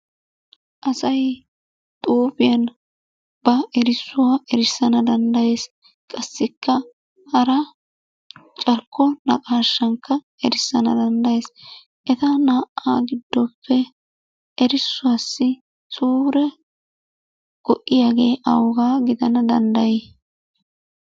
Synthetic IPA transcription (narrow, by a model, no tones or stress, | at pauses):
ʔɐsɐj | t̪ʼuːfɪjɐn | b̥ɐɛɾɪsːʊwaːʔɛɾɪsːɐnɐd̪ɐnd̪ɐje̞ːs | kʼɐsːɪkːɐ | hɐɾɐ | t͡ʃʼɐɾkːɔnɐ̰kʼaːʃːɐŋkːɐ | ɛɾɪsːɐnɐ̰d̪ɐnd̪ɐjeːs | ʔɛt̪ɐnaːʔa̰ːɡɪd̪ːɔpːɛ | ʔɛɾɪsːʊwaːsːɪ | sʼuːɾɛ | kɔʔɪjaːɡe̞ːʔɐ̰wɡaːɡɪd̪ɐnɐd̪ɐnd̪ɐjɛ